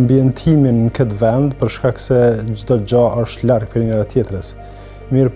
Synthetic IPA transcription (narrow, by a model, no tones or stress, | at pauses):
mbiɛnt̪ʰiminːkət̪vɛnd̪pəɾʃkaksɛd͡ʑd̪ɔd͡ʑaʔəʃt̪laɾɡ̚pɛɾinɛɾat̪jɛt̪ɾəs | miɾ